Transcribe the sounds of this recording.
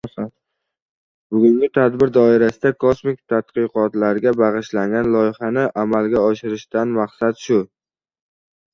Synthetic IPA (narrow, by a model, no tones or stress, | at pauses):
san | bʊɡʲʊŋɡʲɪt̪ʰad̪bɪɾd̪ɒɪɾasɪd̪akʰosmɪk̚ʲt̪ʰat̪qɨqɒt̪laɾɡʲabaʁɨʃlaŋɡʲanlˠɒjɪχanɪʔamalɡʲaɒʃɪɾɪʃt̪anmaqsad̪ʃʊ